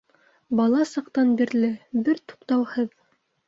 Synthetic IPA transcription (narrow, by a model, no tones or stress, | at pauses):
bɑlˠɑsɑq̚t̪ɑnbiɾlɘbɘɾt̪u̥qt̪ɑwhɤð